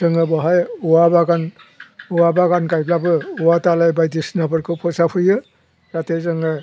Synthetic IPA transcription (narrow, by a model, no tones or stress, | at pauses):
zɯŋɯbɔɦajuwabaɡanuwabaɡankajblabɯuwatalajbajdisnabɯɾkʰɯpʰɔsapʰɯjɯ | ɾatezɯŋɯ